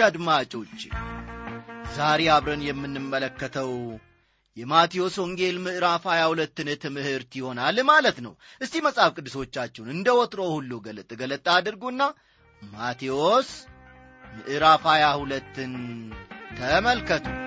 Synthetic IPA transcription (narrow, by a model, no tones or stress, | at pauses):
ad̪mat͡ʃʼo̞t͡ʃː | zaɾeaβɾənjɛmːɨnːɨmːələkːət̪ʰəw | jɛmat̪ʰijo̞soŋɡe̞lmɨʔɨɾafajahulət̪ːɨnɨt̪ʰɨmɨhɨɾt̪jɪho̞nalmalət̪nə̰wʔɨst̪iməsʼafkʼɨd̪ːɨso̞t͡ʃːat͡ʃːɛwnɨnd̪əwɔt̪ɾowhulːuɡələt̪ʼːɡələt̪ʼːad̪ɨɾɡuɨnːa | mat̪ʰios | mɨʔɨɾafajahulət̪ːɨn | t̪ʰəməlkət̪ʰu